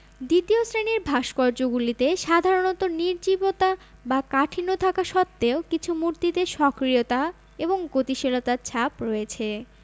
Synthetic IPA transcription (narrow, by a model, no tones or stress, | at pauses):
d̪it̪iosɾeniɾbʱaʃkɔɾd͡ʑoɡulit̪eʃad̪ʱaɾonɔt̪oniɾd͡ʑibot̪a | bakaʈʰinot̪ʰakaʃɔt̪ːeokit͡ɕʰumuɾt̪it̪eʃɔkɾiot̪a | eboŋɡot̪iʃelot̪aɾt͡ɕʰapɾɔet͡ɕʰe